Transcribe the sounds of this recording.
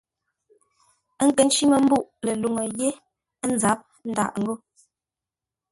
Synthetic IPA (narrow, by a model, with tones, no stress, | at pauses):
ə˦ŋ̩˦˨kə˨˦n˦t͡ʃi˦mə˨m̩˦bu˦ʔlə˨lu˨ŋə˨je˦ | n̩˦d͡za˨˦p̚ | n̩˦da̰˨ʔŋ̩˦ɡo˦